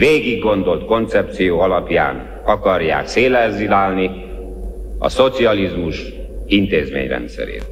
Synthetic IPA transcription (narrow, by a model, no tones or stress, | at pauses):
veːɡiɡːo̞nd̪o̞lt̪ko̞nt̪sɛp̚t̪sijoːɒlɒpja̰ːn | ɒkɒrja̰ːkseːlɛzilaːlni | ɒ̰so̞t̪siɒlizmuʃ | int̪eːzmḛːɲrɛ̰nt̪sɛ̰ɾḛːt̪